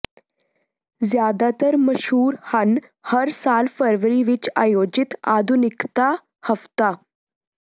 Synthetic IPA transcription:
d͡zjad̪at̪əɾməɕɦuːɾhən | həɾsalfəɾʋəɾiʋit͡ɕa̰jod͡ʑit̪ad̪ʱunikt̪a | həft̪a

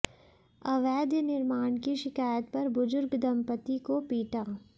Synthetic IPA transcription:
ɐʋɛːd̪jnɪɾmaːɳkiʃɪkaːjət̪̚pɐɾbʊzʊɾɡd̪ɐmpət̪ikopiːʈaː

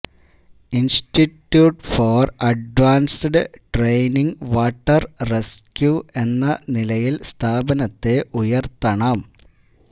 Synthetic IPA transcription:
insʈitːjuːʈforɐɖʋaːnsɖɨʈrejniŋʋaːʈːɐrre̞skʲjue̞nːɐnilɐjilst̪ʰaːbɐnɐt̪ːe̞ʔujɐrt̪ɐɳɐm

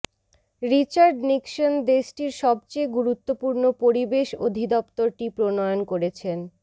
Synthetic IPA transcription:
ɾit͡ɕaɾɖnikʃond̪eʃʈiɾʃɔb̚t͡ɕeɡuɾut̪ːopuɾnopoɾibeʃod̪ʱid̪ɔpt̪oɾʈipɾonɔjonkoɾet͡ɕʰen

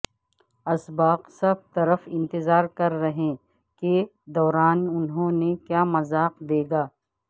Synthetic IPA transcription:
ɐsbaːqsɐb̚t̪ɐɾəfɪ̃nt̪ɪzaːɾkɐɾːɐɦẽː | ke | d̪ɔːɾaːnʊnɦõːnekjaːmɐzaːqd̪eːɡaː

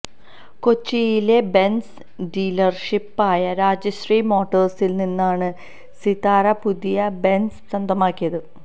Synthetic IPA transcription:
kot͡ɕːijile̞bens | ɖiːlɐrʂipːaːjɐɾaːd͡ʑɐɕriːmo̞ːʈːɐrsilninːaːɳɨ | sit̪aːɾɐpuðijɐbe̞nssɐnd̪ʱɐmaːkːijɐðɨ

